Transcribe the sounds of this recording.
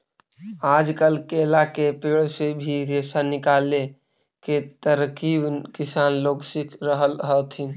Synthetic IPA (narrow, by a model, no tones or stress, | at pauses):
aːd͡ʒkəlkelakepeɭsebʱiɾesanɪkale | ket̪əɾkibkisaːnloːɡsikɾəɦəlɦət̪ʰin